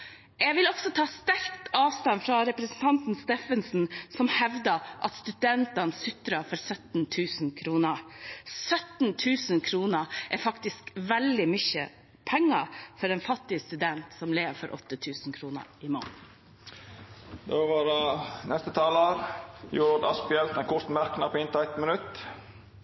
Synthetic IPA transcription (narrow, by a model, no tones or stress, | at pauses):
jɛɡʋɪlɔɡsɔt̪ʰɑːst̪æɾkt̪ɑːʋst̪ɑnfɾɑɾɛpɾɛsn̩t̪ʰɑnt̪n̩st̪eːfənsn̩sɔmhɛʋd̪əʔɑ̰t̪st̪ʉd̪ɛnt̪ɑnsʏt̪ɾəfɔɾsœt̪n̩t̪ʰʉːsn̩kʰɾuːnəɾsœt̪n̩t̪ʰʉːsən̩kʰɾuːnəʔɛfɑkt̪ɪskʋɛld̪ɪmʏçə̰ | pʰɛŋːɑfɔɾɛnfɑt̪ːɪəst̪ʉd̪ɛnt̪sɔmleːʋfɔɾʔɔ̰t̪ːət̪ʰʉːsnkʰɾuːnə̰ɾɪmo̰ːn | d̪oːʋɑɾnɛst̪ət̪ʰɑːlɑɾjʊɾd̪ɑ̰spɪɛlt̪ɛnkʰʊɾt̪mæɾknɑpɔɪnt̪ɑɛt̪mənʉt̪ː